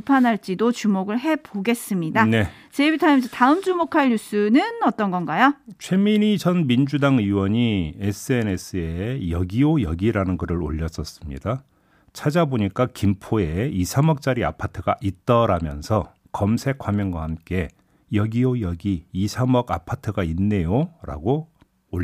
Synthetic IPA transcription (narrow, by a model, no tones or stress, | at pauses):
ipʰanɦaɭt͡ɕ͈idot͡ɕumoɡɯɭɦe̞boɡe̞s͈ɯmɲidane̞ | t͡ɕebitʰamsʰetaɯmd͡ʑumokʰaʎjus͈ɯnɯnʌt͈ʌnɡʌnɡajot͡ɕʰwe̞miɲit͡ɕʌnmind͡ʑudaŋɯwʌɲies͈ʰɯe̞ne̞s͈ʰɯe̞jʌɡiojʌɡiɾanɯnɡɯɾɯɾo̰ʎːʌs͈ʌs͈ɯmɲḭda | t͡ɕʰad͡ʑaboɲik͈akimpʰoe̞isʰamʌk̚t͡ɕ͈aɾia̰pʰatʰɯɡa̰ʔit͈̚ʌɾamjʌ̰nsʰʌ | kʌmsʰe̞kʰwamjʌŋɡwahamk͈e̞ | jʌɡiojʌɡiːsʰamʌɡa̰pʰatʰɯɡainːe̞joɾa̰ɡoː